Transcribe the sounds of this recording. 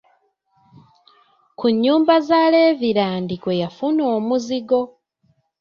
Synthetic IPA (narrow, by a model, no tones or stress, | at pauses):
kuɲːuːmbazaːleːviɾaːndikwo̞jafuno̞ːmuziɡo̞